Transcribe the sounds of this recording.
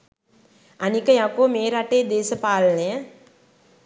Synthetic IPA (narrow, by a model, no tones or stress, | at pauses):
anikəjakoːmeːɾaʈeːd̪eːsəpaːlənəjə